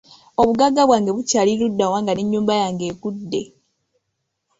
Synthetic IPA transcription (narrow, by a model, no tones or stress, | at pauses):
o̞βuɡaɡːaβwaːŋɡe̞βucaːliludːawaːŋɡaniɲːuːmbajaːŋɡe̞ːkudːe̞